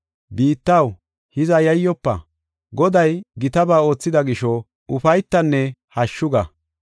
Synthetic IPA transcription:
biːt̪ːɐw | hɪzɐjɐjːɔpːɐ̰ | ɡɔd̪ɐjɡɪt̪ɐbaːo̞ːt͡sːɪd̪ɐɡɪʃɔ | ʊfɐjt̪ːɐnːɛhɐʃːʊɡɐ

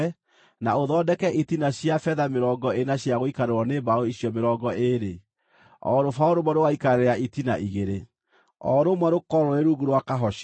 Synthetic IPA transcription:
naoðɔdɛkɛʔitinaɕjafɛðameɾɔŋɡɔenaɕjaɣoikaɾeɾwɔnebaoiɕjɔmeɾɔːŋɡɔʔeɾe | ɔ̰ɾofaoɾomwɛɾowaikaɾeɾaitinaʔiɣeɾe | ɔ̰ɾomwɛɾokɔɾɔeɾuɣuɾwakaɦɔʃ

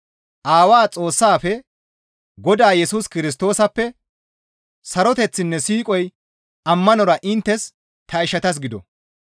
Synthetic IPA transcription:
ʔaːwaːt͡sʼo̞ːsːaːfɛ | ɡɔd̪aːjɛsuskɪɾɪs̬t̪o̞ːsɐpːɛ | sɐɾɔt̪ɛt͡sːɪnːɛsiːkʼɔj | ɐmːɐnɔɾɐʔɪnt̪ːɛs | t̪ʰɐɪʃɐt̪ɐs̬ɡɪd̪ɔ̰

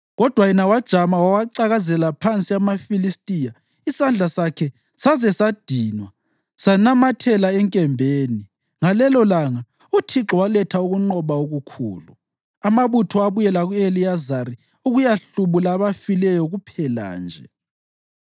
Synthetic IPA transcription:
ɣɔd̥ʱwajɛnawad̥ʒ̥ʱamawawaǀaɣazɛlapʰant͡sʼiamafilistʼija | isand͡ɮʱasakʰɛ | sazɛsad̥ʱiːnwa | sanamatʰɛlaɛŋkʼɛmbʱeːni | ŋalɛlɔlaŋa | utʰiǁɔwalɛtʰauɣuŋ͡ǃɔβaoɣukʰṵːlu | amaβutʰɔaβujɛlaɣuelijazaɾi | uɣujaɬuβulaːβafilɛjɔɣupʰɛla̰ːnd͡ʒʱɛ̰

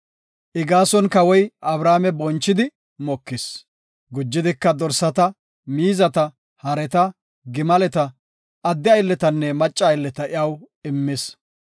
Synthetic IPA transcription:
ʔɪɡaːsɔnkɐwɔjʔɐbɾaːmɛbɔnt͡ʃːɪd̪ɪ | mɔkːɪs | ɡʊd͡ʒːɪd̪ɪkːɐd̪ɔɾsɐt̪ɐ | miːzɐt̪ɐ | hɐɾɛt̪ɐ | ɡɪmɐlɛt̪ɐ | ɐd̪ːɪɐjlːɛt̪ɐnːɛmɐt͡ʃʼːɐːjlːɛt̪ɐɪjɐw | ɪmːɪs

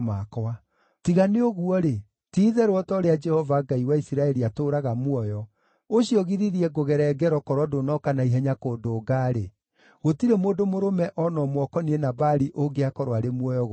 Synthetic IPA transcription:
makɔa | tiɣaneoɣuɔɾe | tiːðɛɾwɔtɔɾead͡ʒɛhɔvaɡaiwaisiɾaɛɾiatoɾaɣamwɔjɔ | oʃiɔɣiɾiɾiɛɡoɣɛɾɛɡɛɾɔkɔɾwɔdonɔkanaiɦɛɲakoːdoːɡaɾe | ɣotiɾemoːdomoɾomɛʔɔnɔmwɔkɔnienabaɾiʔoɡeakɔɾwaɾemwɔjɔɣ

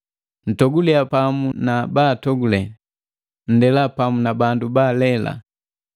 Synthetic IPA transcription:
n̩tɔɡuliapamunabaːtɔɡulɛ | n̩dɛlapamunabandubaːlɛla̰

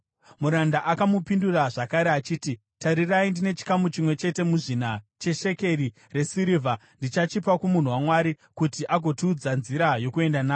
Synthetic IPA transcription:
muɾandaʔakamupinduraʐakaɾe̞at͡ʃiːti | taɾiraindine̞t͡ʃi̥kamut͡ʃimwe̞t͡ʃe̞te̞muʐinat͡ʃe̞ʃe̞ke̞ri | re̞siɾivʱandit͡ʃat͡ʃipakumun̤uwamwaɾi | kutiʔaɡʱo̞tiːd͡zanziɾajo̞kue̞ndanaː

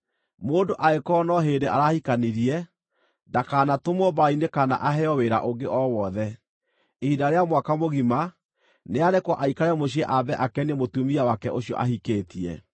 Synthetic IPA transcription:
moːndoʔaekɔːnɔɦeːdeʔaɾahikaniɾiɛ | dakaːnatomɔbainekana̰ʔaɦɛɔweɾa̰ʔoŋɡeʔɔwɔðɛ | ehidaɾeamwakamoɣima | neaɾekwɔʔaikaɾɛmoɕ̬iɛʔabɛʔakɛnemotumiawakɛʔoɕiɔ̰ʔahikeːtiɛ̰

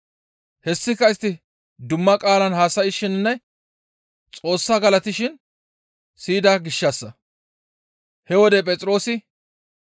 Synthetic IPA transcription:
hɛsːɪkːɐɪst̪ːɪ | d̪ʊmːɐkʼaːlɐnhaːsɐjɪʃɪnnːɛ | t͡sʼo̞ːsːaːɡɐlɐt̪ɪʃɪn | siːd̪aːɡɪʃːɐsːɐ | hɛwɔd̪ɛpʼɛt͡sʼɪɾo̞ːsɪ

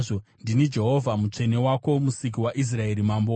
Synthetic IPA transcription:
ʐondinid͡ʒe̞ɦo̞vʱamut͡ʂe̞newako̞musik̬iwaʔis̬rae̞ɾimambo

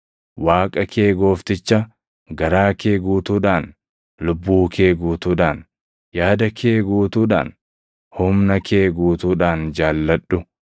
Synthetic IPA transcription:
waːkʼɐkʰe̞ːɡo̞ːft̪ɪt͡ʃːɐ | ɡɐɾaːkeːɡuːt̪uːᶑaːn | lʊbːuːkʰe̞ːɡuːt̪uːᶑaːn | jaːd̪ɐkʰeːɡuːt̪uːᶑa̰ːn | hʊmnɐkʰeːɡuːt̪uːᶑaːnd͡ʒaːlːɐᶑʊ

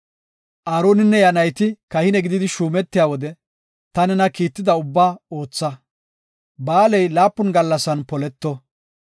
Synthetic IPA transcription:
ʔaːɾoːnɪnːɛjɐnɐjt̪ɪkɐhɪnɛɡɪd̪ɪd̪ɪʃuːmɛt̪ːɪjaːwɔd̪ɛ | t̪ɐnɛnɐkiːt̪ːɪd̪ɐʊbːaːo̞ːt͡sːɐ | baːlɛjlaːpːʊnɡɐlːɐsɐnpɔlɛt̪ːɔ

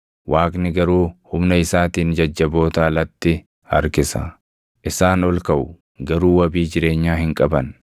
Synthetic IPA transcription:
wʔaːkʼnɪɡɐɾuːhʊmnɐɪsaːt̪iːnd͡ʒɐd͡ʒːɐbo̞ːt̪aːlɐt̪ːɪ | hɐɾkɪsɐ̰ | ʔɪsaːnɔlkɐʔʊ | ɡɐɾuːwɐbiːd͡ʒɪɾe̞ːɲːaːhɪŋkʼɐbɐn

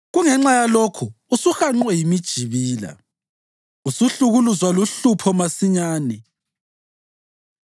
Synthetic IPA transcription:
ɣuŋɛŋ͡ǁajalokʰu | usuxaŋ͡ǃwɛjimid̥ʒ̥ʱiβiːla̰ | usuɬuɣuluzwaluɬupʰɔmasiɲaːnɛ

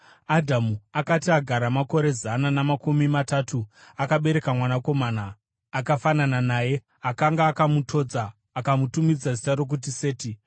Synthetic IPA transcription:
adʱamuakatiaɡʱaɾamako̞ɾe̞zananamakumimatatʰuakaɓe̞ɾe̞kamwanako̞maːnaː | kafanananaːje̞ | akaŋɡaːkamutʰo̞ːd͡zaː | kamutumid͡zazitaɾo̞k̬ut̬ise̞ːti

